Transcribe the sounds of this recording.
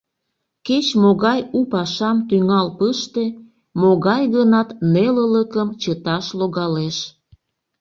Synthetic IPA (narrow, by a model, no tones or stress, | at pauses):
ket͡ɕmoɣɑjupɑʃɑmt̪yŋɑlpəʃt̪e | moɣɑjɣənɑt̪nelələkəmt͡ɕət̪ɑʃloɣɑleʃ